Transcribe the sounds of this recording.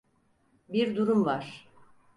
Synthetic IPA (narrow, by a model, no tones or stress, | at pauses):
biɾd̪uɾumvaɾ̥